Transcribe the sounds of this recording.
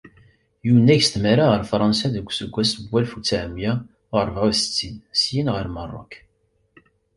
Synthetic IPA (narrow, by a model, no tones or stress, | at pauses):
junːæçst̪məɾaʁəɾfɾˤɑnsæðəɡʷːsəɡʷːæsəbʷːælfut͡sːaʕmja | ɾˤvʁæsə̥t͡sːinsjinʁəɾmərˤːo̰k